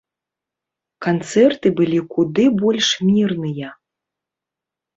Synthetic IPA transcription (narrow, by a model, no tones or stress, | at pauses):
kant̪sɛrt̪ɨbɨlʲikud̪ɨbɔlʲʂmʲirnɨjɐ